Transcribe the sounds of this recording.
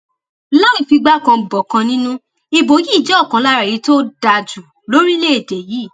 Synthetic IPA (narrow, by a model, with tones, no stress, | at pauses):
la˦ĩ˨fi˧ɡ͡ba˦kã˧bɔ˨kã˧nĩ˦nũ˦ | i˧bo˨ji˦˨d͡ʒɛ˨˦ɔ˦˨kã˨˦la˦ɾa˨i˨˧˦to˦da˧d͡ʒu˨ | lo˦ɾi˦le˦e˨de˨ji˨˦˨